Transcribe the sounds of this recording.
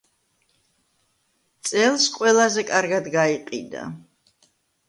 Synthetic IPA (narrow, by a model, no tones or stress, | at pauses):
t̪sʼɛlˠsqʼwɛlˠazɛkʼaɾɡad̪ɡaiqʼḭd̪a̰